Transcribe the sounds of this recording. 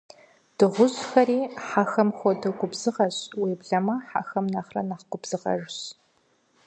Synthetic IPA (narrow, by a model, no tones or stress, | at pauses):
d̥ɨʁʷʊʑxɐriːħaxɐmxʷɔdɨɡʷʊbzɨʁɐɕwiːbɮɐmɐħa̰xɐmnɐχrɐ̰naχɡʷʊbz̥ɨʁɐ̰ʒɕ